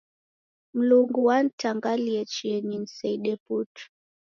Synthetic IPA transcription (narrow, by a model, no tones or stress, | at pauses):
m̩luŋɡuwan̩taŋɡaliɛt͡ʃiɛnin̩sɛiɗɛputu̥